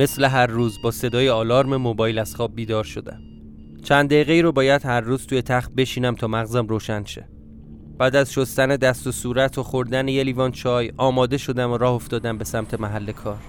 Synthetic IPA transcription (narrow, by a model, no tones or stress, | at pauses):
mesle̞ɦæɾːuːzbɒːse̞d̪ɒːjeɒːlɒːɾme̞mobɒːjlæz̥χɒːb̚bːiːd̪ɒːɾʃo̞d̪æ̰m | t͡ʃʰænd̪d̪eiɣeiːɾobɒːjæd̪̥hæɾːuːz̥t̪ʰujet̪ʰæχt̪̚be̞ʃiːnæmt̪ʰɒːmæɣzæmroːʃænʃḛ | b̥æːd̪æzʃost̪æne̞d̪æst̪osuːɾæt̪ʰoxoɾd̪ænejeliːvɒːnt͡ʃʰɒːjɒːmɒːd̪e̞ʃo̞d̪æmoɾɒːho̞ft̪ɒːd̪æmbe̞sæmt̪ʰe̞mæɦælːe̞kʰɒːɾ